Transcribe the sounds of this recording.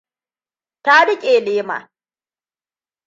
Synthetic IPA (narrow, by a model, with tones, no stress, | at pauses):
ta˦ɽɪ˦kʲʼeː˨leː˦ma̰ː˨